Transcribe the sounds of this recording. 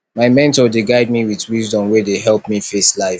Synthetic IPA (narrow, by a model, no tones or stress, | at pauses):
maɪmɛ̃ntɔdeɡaɪd̚miwiðwizdɔ̃mwɛdeɦɛlˠpmifeslaɪf